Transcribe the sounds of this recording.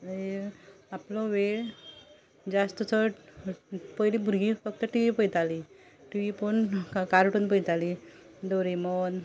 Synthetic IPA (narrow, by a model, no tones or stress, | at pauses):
e | aplɔ̃ʋeɭ | d͡zast̪ət͡sʰəʈ | pəjlibʱuɾɡĩfək̚t̪əʈiʋiːpəjt̪ali | ʈiʋipəɳkaɾʈunpəjt̪ali | d̪oɾimɔn